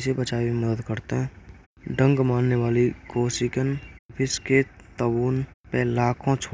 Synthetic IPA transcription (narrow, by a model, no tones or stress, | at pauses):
sebət͡ʃaːimməd̪əd̪kəɾt̪eɦɛ̃ː | ɖə̃ŋɡmaːnːeʋaːlikoːsikənːpʰɪsket̪əbuːnpelaːkʰõt͡ʃʰː